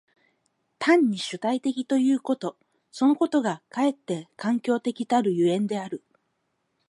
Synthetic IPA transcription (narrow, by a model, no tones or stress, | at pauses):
t̪ãɲ̟ːiɕɨt̪ait̪e̞kʲit̪o̞jɯ̟ːko̞t̪o̞ | so̞no̞ko̞t̪o̞ɡakae̞t̪ːe̞kãŋkʲo̞ːt̪e̞kʲit̪aɾɯ̟jɯ̟ẽ̞nd̪e̞aɾɯ̟